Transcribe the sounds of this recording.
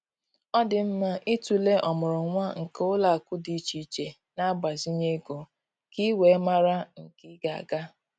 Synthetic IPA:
ɔ˦dɪ˨m̩˦ma˦ʔi˦tu˨le˦ʔɔ˨mʊ˨ɾʊ˨ŋʷa˦ŋ̩˨kʊ˦la˨a˨kʊ˦di˨t͡ʃi˨t͡ʃe˨ | na˦ɡ͡ba˨zi˦ɲe˦ɡo˨ | ki˦we˨˦ma˦ɾa˦ŋ̩˨ki˦ɡa˨a̰˨ɡa˦

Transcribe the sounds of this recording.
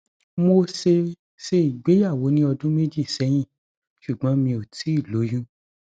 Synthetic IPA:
mo˧se˧ | ʃe˧i˨ɡ͡be˨˦ja˦˨wo˨˦nĩ˦ɔ˧dũ˦me˦d͡ʒi˦˨sɛ˨˦j̃ĩ˦˨ | ʃu˨ɡ͡bɔ̃˨˦mĩ˧o˨tʰi˨˦i˦˨lo˨˦jũ˦

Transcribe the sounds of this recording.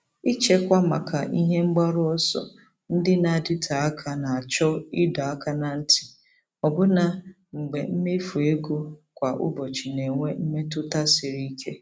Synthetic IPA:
i˦t͡ʃe˦kʷa˦ma˨kʰa̰˨ʔḭ˦ɦe˦ŋ͡m̩˦ɡ͡ba˦ɾʊ˦ɔ˦sɔ̰˦ | n̩˦dɪ˦na˨a˨dɪ˦tʰa˨a˦kʰa˨na˨a˨t͡ʃɔ˦ɪ˦dɔ˨a˦ka˨na˨n̩˦tɪ̥˨ | ɔ˨bʊ˦na˨ | ŋ͡m̩˨ɡ͡be˨m̩˦me˦fu˨e˦ɡo˦kʷa˨ʔʊ̰˦bɔ˨t͡ʃi˨ne˨ŋʷe˦m̩˦me˦tʊ˦ta˦sɪ˨ɾi˦kʰe˦

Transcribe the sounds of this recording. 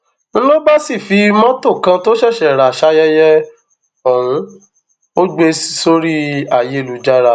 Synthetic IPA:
ñ̩˦lo˦ba˦si˦˨fi˨˧˦mɔ̃˦tõ˦˨kã˧to˦ʃɛ˦˨ʃɛ˨ɾa˨ʃa˦jɛ˦jɛ˦ | ɔ˦˨w̃ũ˨˧˦ | o˦ɡ͡be˧si̥˨so˦ɾi˦a˦˨je˨˦˨lu˨˦d͡ʒa˦˧ɾa˧˨

